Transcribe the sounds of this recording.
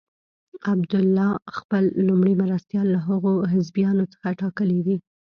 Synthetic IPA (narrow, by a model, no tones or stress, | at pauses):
abd̪ʊlːɑxpəlːumɽimaɾast̪jɑlːaɦəɣoɦɪzbjɑnot͡sə̥xaʈɑkəlid̪i